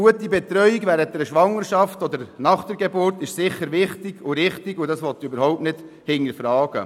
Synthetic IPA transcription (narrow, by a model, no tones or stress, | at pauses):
uətibɛt̪ɾœʏiɡʋæːɾət̚dɛɾʃʋɑŋəɾʃɑftɔdəɾnɑχd̥əɾɡebʊɾtɪʃsɪχːəɾʋɪχtɪɡʊɾɪχtiɡʊdɑsʋɔt̪ːøbəɾɦɔʊp̚tnɪd̥ | hɪŋːəɾfɾɑːɡ̥ə̰